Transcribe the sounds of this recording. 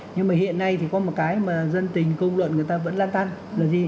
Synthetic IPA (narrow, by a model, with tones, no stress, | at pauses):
ɲɨ˧ŋmaː˨˩hḭ˧˨ənːa˧jt̪ʰi˨˩kɔ˨˦mo˨˩t̚kaː˨˦jmaː˨˩zə˧nt̪ï˨˩ŋ̟kə˧wŋ͡mlwə̰˧˨nkŋɨ˨˩əjt̪aː˧və̰˧˥nlaː˧nt̪ʰa˧nlaː˨˩zi˨˩